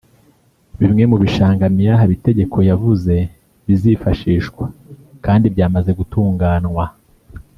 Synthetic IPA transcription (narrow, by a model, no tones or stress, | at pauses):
βimŋe̞muβiʃaːŋɡamjaɦaβite̞ɟe̞kʰo̞javuze̞ | βizifaʃiːʃkwekaːndibɟaːmaze̞ɡutuːŋɡaːnŋwa